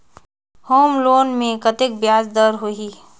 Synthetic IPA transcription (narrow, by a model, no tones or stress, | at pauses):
hoːmloːnmẽkət̪ɪk̚bjaːzd̪əɾɦoɦi